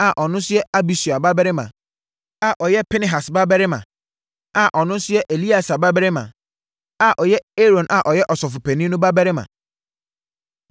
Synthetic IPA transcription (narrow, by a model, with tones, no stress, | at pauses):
a˨ʔɔ˨nʊ̃˦sʊ˦jɛ˦a˦bi˨su˨a˨ba˦bɛ˦ɾɪ˦mã̰˨ | a˨ʔɔ˨jɛ˦pʰɪ˦nɪ̃˦ɦa˨sba˦bɛ˦ɾɪ˦mã̰˨ | a˨ʔɔ˨nʊ̃˦n˦sʊ˦jɛ˦ʔe˨li˦a˨sa˨ba˦bɛ˦ɾɪ˦mã̰˨ | a˨ʔɔ˨jɛ˦e˦ɾõ˨nʔa˨ʔɔ˨jɛ˦ʔɔ˨sɔ˨fʊ˨pʰɛ˨nĩ˦nʊ̃˦ba˦bɛ˦ɾɪ˦mã̰˨